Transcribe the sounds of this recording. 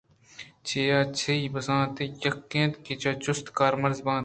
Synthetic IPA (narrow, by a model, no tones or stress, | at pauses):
t͡ʃʰeːjaːt͡ʃʰeibɐsãːt̪ejɐkːẽːt̪kit͡ʃɐt͡ʃʊst̪kaːɾmɐɾzbãː